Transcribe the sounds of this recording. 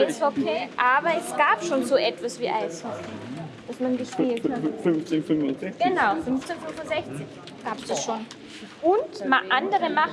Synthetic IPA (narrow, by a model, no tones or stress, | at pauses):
ɪshɔkʰeːʔaːbɐɛsɡ̥aːpʃoːnzoːʔɛtv̥asv̥iːʔaɪshɔkʰeːd̥asmanɡəʃpiːltʰafʏnft͡senfʏnfʊnzɛçɡ̥ənaʊfʏnft͡senfʏnvʊnzɛçt͡sɪç | ɡ̥aːpsd̥asʃoːn | ʔʊntmaʔandəʁəmaχ